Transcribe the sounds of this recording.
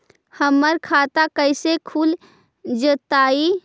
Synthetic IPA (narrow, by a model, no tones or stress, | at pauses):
həmːəɾkʰat̪akəɪsekʰul | d͡ʒət̪ai